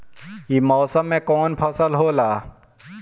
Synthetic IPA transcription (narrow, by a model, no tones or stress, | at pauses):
imɔːsəmːẽkɔːnpʰəsəlɦoːlaː